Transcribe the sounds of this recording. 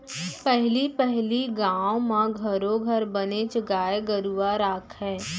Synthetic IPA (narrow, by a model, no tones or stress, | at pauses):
pɛɦlipɛɦliɡãːwomãɡʱɐɾõɡʱɐɾbənet͡ʃɡaːeɡəɾuːaɾaːkʰɦɛː